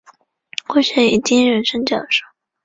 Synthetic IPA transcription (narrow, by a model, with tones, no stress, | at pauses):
xwe˥˧ɪɕɥɛ˥˩ni˨˩t͡ɕi˥nɻə˧˥nʂə˥ŋt͡ɕjɑ˨˩ʂɑ˥˩˦